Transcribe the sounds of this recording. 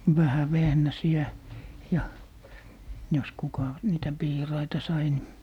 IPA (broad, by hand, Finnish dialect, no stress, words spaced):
ʋæhæ ʋehnæsiæ jɑ jos kukɑ niːtæ piːrɑitɑ sɑi ni